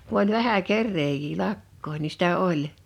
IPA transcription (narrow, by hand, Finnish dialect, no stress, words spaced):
ku olʲ ʋæhæ kerːeːjiː lɑkːoin ni sitæ olʲ